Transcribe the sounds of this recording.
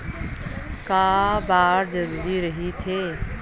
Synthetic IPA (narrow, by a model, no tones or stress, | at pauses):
kabaːɾd͡ʒəɾuːɾiɾəɦit̪ʰe